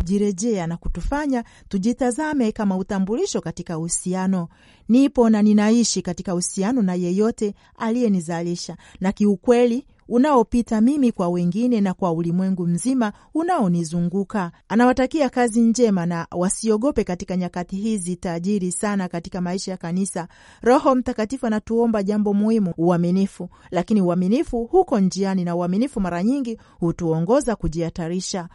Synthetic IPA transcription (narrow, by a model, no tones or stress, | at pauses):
ʄiɾɛʄɛanaku̥tufaɲa | tuʄitazamɛkamautambuliʃɔkatikauhusianɔ | nipɔnaninaiʃikatikahusianɔnajɛjɔtɛ | alijɛnizaliʃanakiukwɛli | unaɔpitamimikwawɛŋɡinɛnakwaulimwɛŋɡum̩zima | unaɔnizuŋɡukaanawatakiakaziɲd͡ʒɛmanawasiɔɠɔpɛkatikaɲakatihiːzitaʄiɾisanakatikamaiʃajakanisa | ɾɔhɔm̩takatifuanatuɔmbaʄambɔmuhimuuaminifulakiniuaminifuhukɔnd͡ʒianinauaminifumaɾaɲiŋɡi | hutuɔŋɡɔzakuʄiataɾiʃa